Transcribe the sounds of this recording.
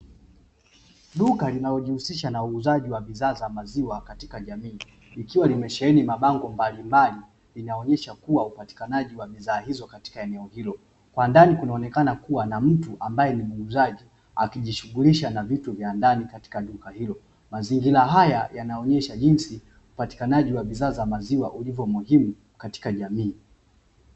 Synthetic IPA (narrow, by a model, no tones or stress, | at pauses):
ɗukalinalɔʄihusiʃanauːzaʄiwavizaːzamaziwakati̥kaʄamiː | ikiwalimɛʃɛɛnimaɓaŋɡɔmbalimbali | linaɔɲɛʃakuwaupati̥kanaʄiwaɓizaːhizɔkati̥kaɛnɛɔhilɔ | kwandanikunaɔnɛkanakuwanam̩tuʔambajɛnimuɡuzaʄi | akiʄiʃuɠuliʃanavituvjandanikati̥kaɗukahilɔ | maziŋɡilaɦajajanaɔɲɛʃaʄinsi | upati̥kanaʄiwaɓizaːzamaziwa̰ʔulivjɔmuhimu | kati̥kaʄamiː